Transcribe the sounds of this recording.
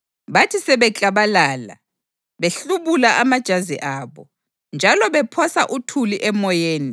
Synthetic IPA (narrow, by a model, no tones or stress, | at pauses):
βatʰisɛβɛt͡ɬʼaβalaːla̰ | βeɬuβulaʔamad̥ʒ̥ʱazḭʔaːβɔ̰ | nd͡ʒʱalɔβɛpʰɔsaʔutʰuliʔɛmɔjeːni